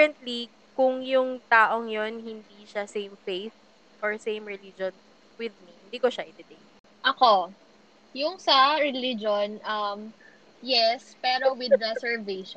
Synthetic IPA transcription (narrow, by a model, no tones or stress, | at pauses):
ɛnt̪li | kʊŋjʊŋt̪aːʔoŋjonɦɪnd̪iʃasẽjmfejθ | ʔɔɹsẽjmɹɛlid͡ʒon | wɪðmihɪnd̪iːkoʃɐʔɪd̪ɛd̪ɛj | ʔɐko | jʊŋsɐɾɛlid͡ʒonʔɐm | jɛspɛːɾowɪd̪̚ɹɛsɛɹveʃ